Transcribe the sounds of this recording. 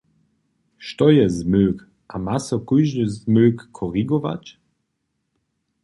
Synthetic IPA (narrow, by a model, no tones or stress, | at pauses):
ʃt̪ɔjɛzmøːk | ʔamasɔkujʒnəzmøːkːʰɔʁiɡɔva̰t͡ɕ